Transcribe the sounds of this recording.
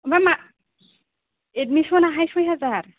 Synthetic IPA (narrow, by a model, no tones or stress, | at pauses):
bama | ed̚misɔnaɦajsojɦazaɹ